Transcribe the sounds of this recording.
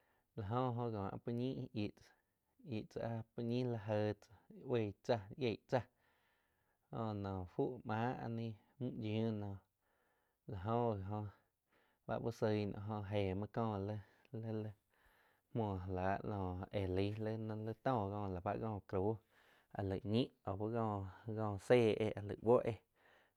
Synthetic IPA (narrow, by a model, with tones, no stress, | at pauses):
la˨ɦõ˦ɦõ˧ɡɔ̃ː˨ʔa̰˧pu˧ɲĩ˦ʔi˨ʔt͡sa˨ | i˨ʔt͡sa̰˧ʔa˦pu˦ɲĩ˦la˧ɦə˧t͡sa˧˦we˧˨t͡sa˧ʔje˧˨ʔt͡sa˧ | õ˧nɔ̃ː˨fu˦ʔmãː˨˦a̰˧nĩ˦ | mũ˦d͡ʒũ˦nɔ̃˧˨ | la˨ɦõ˦˧˨ɦõ˧ | ba̰˦ʔbu˦sə˧˨nɔ̰̃˧˨ɦõ˧ɦeː˨mã˦kɔ̃ː˦˧˨lə˦ | lə˦lə˦ | mɔ̃ː˧˨ɦla˨˦ʔnɔ̃ː˨e˨li˨˦lə˦ñ˧lə˦t̪ɔ̃ː˦˨ɡɔ̃ː˧˨la˨ba˦ʔɡɔ̃ː˧˨kɾuː˨˦ | a̰˨lə˨ʔɲĩ˦ʔo˨bu˦ɣɔ̃ː˧˨ɡɔ̃ː˧˨seː˦˧˨ʔḛ˧ʔa˨lə̰˨wo˦ʔe˧